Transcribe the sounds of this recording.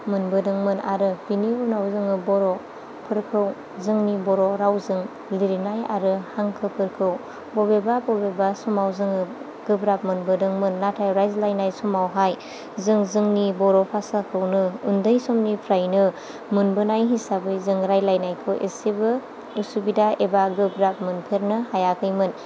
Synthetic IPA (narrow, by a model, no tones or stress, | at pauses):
mɯnbɯdɯŋmɯna̰ɾɯb̥iniunawzɯŋɯbɔɾɔ | pʰɯɾkʰɯw | zɯŋnibɔɾɔɾawzɯŋ | liɾinaja̰ɾɯhaŋkʰɯpʰɯɾkʰɯw | bɔbebabɔbebasɔmawzɯŋɯ | ɡ̥ɯbɾap̚mɯnbɯdɯŋmɯnːatʰajɾajzlajnajsɔmawɦaj | zɯŋzɯŋnibɔɾopʰasakʰɯwnɯundɯjsomnipʰɾajnɯ | mɯnbɯnajɦisabɯjzɯŋɾajlajnajkʰɯwʔḛsebɯ | usubidaebaɡɯbɾap̚mɯnpʰeɾnɯhajakʰɯjmɯn